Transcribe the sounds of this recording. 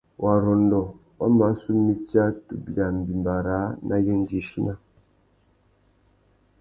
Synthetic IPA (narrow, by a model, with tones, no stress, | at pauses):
wʔa˨ɾɔ˨ndɔ˨ | wa˦ma˨˦su˦mi˦t͡ʃja˦tu˨bi˨a˨m˨bi˨mba˨ɾa˨˦na˦je˦ŋ˦d͡ʒi˨ʃi˦na˦